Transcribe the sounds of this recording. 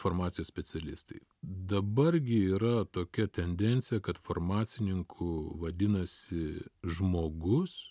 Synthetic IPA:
foːrmɑːt̪sʲɪjosʲpʲɛsʲɛlʲɪst̪ɐɪ | d̪ɐbɐrɡʲɪiːɾɐt̪oːkʲɛt̪ʲɛnʲd̪ʲɛnʲt̪sʲɪjɛkɐt̪foːrmɑːt̪sʲɪnʲɪŋkʰʊʋɐd̪ʲɪnɐsʲɪʒmoːɡʊs

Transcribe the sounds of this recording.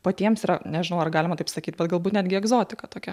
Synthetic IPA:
pɐt̪ʲiɛmsiɾɐnʲɛʒʲɪnɐʊɐrɡɑːlʲɪmɐt̪ɪpsɐkʲiːt̪̚ʲbʲɛt̪ɡɐlˠbuːt̪nʲæːd̪ʲɡʲɪɛɡzoːt̪ʲɪkɐt̪oːkʲɛ

